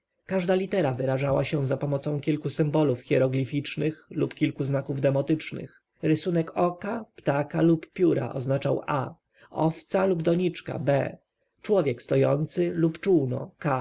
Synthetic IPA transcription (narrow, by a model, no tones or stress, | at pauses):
kaʐd̪alʲit̪ɛɾavɘɾaʐawaɕɛ̃zapɔmɔt̪sɔ̃w̃kʲilkusɘmbɔlufxʲɛɾɔɡlʲifʲit͡ʂnɘxlupkʲilkuznakuvd̪ɛmɔt̪ɘt͡ʂnɘ̰x | ɾɘsunɛkɔkapt̪akaluppʲjuɾa̰ʔɔ̰znat͡ʂawʔa̰ | ɔft̪salubd̪ɔɲit͡ʂka̰bɛ̰ | t͡ʂwɔvʲjɛkst̪ɔjɔnt̪sɘlupt͡ʂuwnɔ̰ka